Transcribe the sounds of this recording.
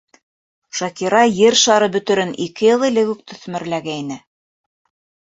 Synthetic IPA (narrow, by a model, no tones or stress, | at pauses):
ʃɑkiɾɑjɘɾʃɑɾɤbɵ̆t̪ɵ̆ɾɘnʔikɘjɤ̆lˠilɘkʉk̚t̪ʰɵ̆θmɘ̆ɾlæɡæinɘ